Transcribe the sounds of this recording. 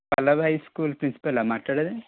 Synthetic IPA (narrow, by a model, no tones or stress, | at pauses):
pɐlɐʋɦɐjskuːlpɾinsi̥pɐlaːmaːʈlaːɽɐd̪e